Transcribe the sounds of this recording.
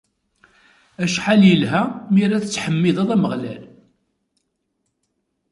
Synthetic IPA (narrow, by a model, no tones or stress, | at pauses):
æʃħaljəlɦæmiɾæθt͡sːħəmːɪðˤɑðˤæməʁlæl